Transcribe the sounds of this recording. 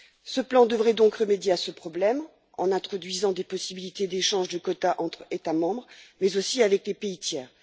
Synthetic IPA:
səplɑ̃d̪əvʁɛd̪ɔ̃kʁəmed̪jeasəpχɔblɛm | ɑ̰̃nɛ̃t̪χɔd̪ɥizɑ̃d̪epɔsibilit̪ed̪eʃɑ̃ʒd̪əkɔt̪aʔɑ̃t̪χet̪amɑ̃bʁmɛzosiavɛklepeit̪jɛːʁ

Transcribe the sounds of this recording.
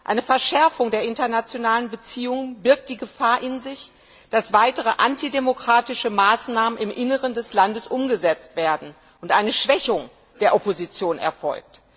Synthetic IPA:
ʔa̰ɪnəfɛɐʃɛɐfʊŋdeːɐʔɪntɐnat͡sjonaːlənbət͡siːʊŋənbɪɐk̚t̚d̥iːɡəfaːɐʔɪnzɪç | d̥asv̥aɪtəʁ̞əʔantidemokʁ̥aːtɪʃəmaːsnaːmənɪmʔɪnəʁəndɛslandəsʔʊmɡəzɛt͡stv̥eːɐdn̩ | ʔʊntʔaɪnəʃv̥ɛçʊŋ | d̥eːɐʔɔpozit͡sjoːnɛ̰ɐfɔ̰lk̚t

